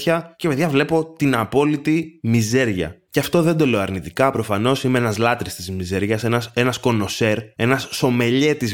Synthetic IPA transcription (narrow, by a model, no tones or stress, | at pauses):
çɐce̞peðʝɐvle̞po̞t̪inɐpo̞lit̪imize̞ɾʝɐ̰ceɐft̪o̞ðed̪o̞leoɐɾnit̪ikɐpɾo̞fɐno̞simeenɐzlɐt̪ɾist̪izmize̞ɾʝɐsenɐse̞nɐsko̞no̞se̞ɾe̞nɐsːo̞me̞ʎe̞t̪iz